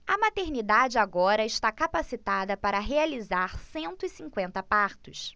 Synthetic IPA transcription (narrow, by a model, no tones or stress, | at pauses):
ɐmat̪eɾnid̪ad͡ʒɪaɡɔɾɐɪʃt̪akapasit̪ad̪ɐpaɾɐɦealizaɾsẽnt̪ʊisĩŋkwẽnt̪ɐpaɾt̪ʊs